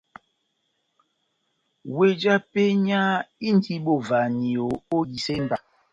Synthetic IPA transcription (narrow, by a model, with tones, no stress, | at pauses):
we˦d͡ʒa˦pe˦ɲa˦i˦n̩˦tʰi˦ɓo˦˨va˨ni˨o˨o˦ji˨se˦m˦ba˨